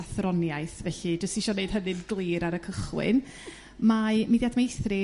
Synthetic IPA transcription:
aθrɔnjajθvɛɬɨd͡ʒəstiʃɔnejd̥ɦəðɨdɡlˠiːɾaɾəkʰəχwɪ̰n | mamidjadmejθrɪ

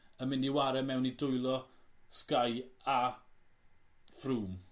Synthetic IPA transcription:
əmɪndiwaɾɛmɛwnidʊjlˠɔskaja | fruːm

